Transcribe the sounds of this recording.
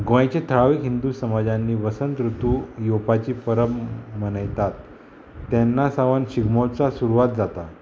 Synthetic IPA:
ɡʋajt͡ɕet̪ʰəɭaʋikɦind̪usəmad͡ʑãnːiːʋəsənt̪ɾut̪uːjopat͡ɕiːpəɾəmmənəjt̪at̪ː | ɛnːasaʋənɕiɡmot͡sasuɾuʋat̪̚d͡zat̪a

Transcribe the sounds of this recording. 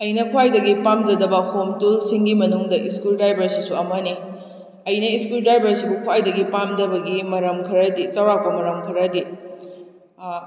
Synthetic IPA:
ɐjnɐkʰuwajdɐɡipamd͡ʒɐdɐbɐhomtulsiŋɡimɐnuŋdɐʔiskuldajbɐɾsisuɐmɐni | ɐjnɐiskuldajbɐɾsibukʰwajdɐɡipamdɐbɐɡimɐɾɐmkʰɐɾɐdisɐwɾak̚pɐmɐɾɐmkʰɐɾɐdi

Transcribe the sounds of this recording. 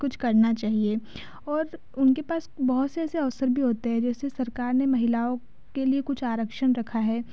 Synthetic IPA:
kʊt͡ʃʰkɐɾnat͡ʃaːɦie | ɔːɾ | ʊnkepaːsbɐɦʊt̪seɛːseɐʋsəɾbʱiɦoːt̪eɦɛ̃d͡ʒɛːsesɐɾkaːɾnemɐɦɪlaːõ | keliekʊt͡ʃʰaːɾəkʃənɾɐkʰaɦɛː

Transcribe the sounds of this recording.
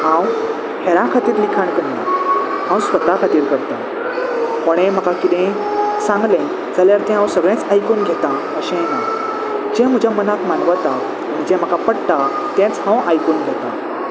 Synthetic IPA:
ãw | hɛɾãkʰat̪iːɾlikʰaɳkəɳna̰ | hãw̃sʋət̪akʰat̪iːɾkəɾt̪a | koɽ̃ẽm̤əkakit̪ɛ̃ | sãŋɡlẽ | d͡zaljaɾt̪ɛ̃ãwsəɡɭɛ̃t͡sajkuːnɡʱet̪a | əɕẽna | d͡ʑɛ̃m̤əd͡ʑʱjamənakmanʋat̪a | məɳd͡ʑɛ̃m̤əkapəɽta | t̪ɛ̃t͡shãwajkuːnɡʱet̪ã̰

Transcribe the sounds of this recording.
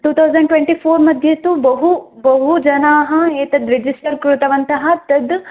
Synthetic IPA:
ʈuːt̪ʰɐwzɐ̃ɳɖʈwẽɳʈiːfʰoːɾmɐd̪ʱjɐt̪ubɐɦubɐɦud͡ʒɐnaːɦɐeːt̪ɐd̪ɾed͡ʒisʈɐɾkɾut̪ɐʋɐnt̪ɐɦɐt̪ɐd̪

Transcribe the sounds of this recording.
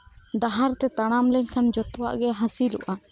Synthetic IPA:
ɖaɦaɾt̪ɛt̪aɽ̃amlɛɲkʰand͡ʒɔt̪wa̰ʔɡɛɦãsilṵʔa

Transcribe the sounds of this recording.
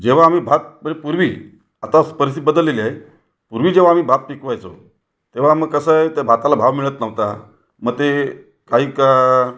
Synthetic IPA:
d͡ʑeʋ̤aːm̤iːbʱat̪̚pəɾepuɾʋiː | at̪aspəɾisibəd̪əlːeliae | puɾʋiːd͡ʑeʋ̤aːm̤iːbʱat̪̚pikʋajt͡so̰ | t̪eʋ̤aməɡ̚kːəsəjt̪abʱat̪alabʱaʋmiɭət̪nəʋt̪a | məɡ̚t̪e | kaɦiːka

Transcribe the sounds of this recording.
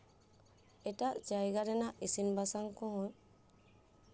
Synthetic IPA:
ɛtaʔd͡ʒajɡaɾɛnaʔisinbasaŋkɔ̃ɦɔ̃j

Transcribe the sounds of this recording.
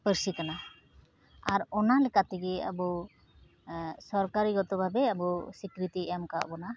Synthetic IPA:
pəɾsikana | aɾɔnalɛkat̪ɛɡɛa̰bɔ | sɔɾkaɾiɡɔt̪ɔbʱabɛabɔsikɾit̪iʔɛjamkaʔbɔna

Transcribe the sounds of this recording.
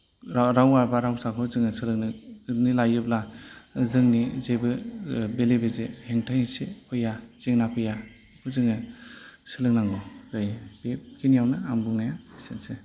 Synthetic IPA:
ɾaɾawaɾbaɾawsakʰɯzɯŋɯsɯlɯŋnɯnilajɯblazɯŋnizebɯbelebezeheŋtʰajhesepʰɯjaz̥eŋnapʰɯja | pʰɯzɯŋɯsɯlɯŋnaŋɡɔɡajb̥ep̚kʰinijawnɯambuŋnajabisense

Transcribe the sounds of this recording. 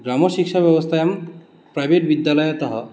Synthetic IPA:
ɡɾamɔʃikʃabjɔbɔst̪ʰajam | pɾajbʱeʈbid̪ːjalɔjɔt̪ɔɦɔ

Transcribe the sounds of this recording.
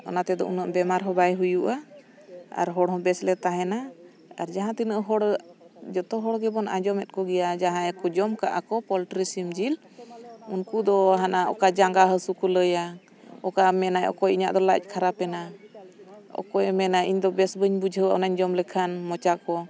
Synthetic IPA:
ɔ̰nat̪ɛd̪ɔ̰ʔunaʔbɛmaɾɦɔ̃bajɦujuʔa | a̰ɾɦɔɽɦɔ̃bɛslɛt̪aɦɛna | aɾd͡ʒaɦãt̪inəʔɦɔɽd͡ʒɔt̪ɔɦɔɽɡɛbɔnʔad͡ʒɔmɛt̪̚kɔɡɛjad͡ʒaɦãjɛkɔd͡ʒɔmkaʔakɔpɔlʈɾisimd͡ʒil | unkud̪ɔɦanaʔɔ̰kad͡ʒaŋɡaɦəsukuləja | ɔkamɛnajɔ̰kɔjiɲa̰ʔd̪ɔla̰c̚ˀkʰaɾapɛna | ɔ̰kɔjɛmɛnaʔiɲd̪ɔbɛsbəɲbud͡ʒʱəwaʔɔnaɲd͡ʒɔmlɛkʰanmɔt͡ʃakɔ

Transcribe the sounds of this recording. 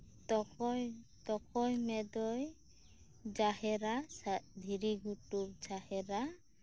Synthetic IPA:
tɔkɔjt̪ɔkʰɔjmɛd̪ɔj | d͡ʒaɦɛɾasad̪ʱiɾiɡʱutup̚d͡ʒahɛɾa

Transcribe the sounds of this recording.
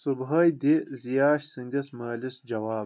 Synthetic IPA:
subɦɐjd̪izijaːʃsɨŋd̪ʲɐsmɐːlɨsd͡ʒɐwaːb

